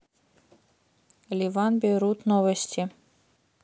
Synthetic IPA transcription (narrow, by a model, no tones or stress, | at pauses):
lʲivɑnbʲeɾut̪novəsʲtʲi